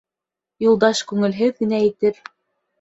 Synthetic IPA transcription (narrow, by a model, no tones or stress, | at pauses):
julˠd̪ɑʃkʉŋɘ̆lɦɘðɡɘ̆nææt̪ɘɾ